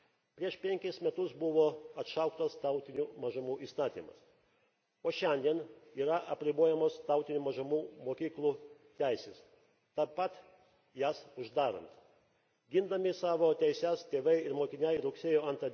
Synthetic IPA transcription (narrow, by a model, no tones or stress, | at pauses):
pʲɾʲiɛʃpʲɛŋʲkʲɪsmʲɛt̪ʊsbʊʋoːɐt̪ʃɐʊkt̪oːst̪ɐʊt̪ʲɪnʲumɐʒɐmuːʔiːst̪ɑːt̪ʲḭːmɐ̰s | oːʃʲɛnʲd̪ʲiɛniːɾɐʔɐpʲɾʲɪboɔjɛmoːst̪ɐʊt̪ʲɪnʲuːmɐʒɐmuːmoːkʲiːklˠuːt̪ʲæɪsʲeːs | t̪ɑpːɐt̪ | jæːsʊʒd̪ɑːɾɐ̰nt̪ | ɡʲɪnd̪ɐmʲɪsɑːʋoːt̪ʲɛɪsʲæst̪ʲeːʋɐɪɪɾmoːkʲɪnʲɛɪɾʊksʲeːjoːɐnt̪ɐ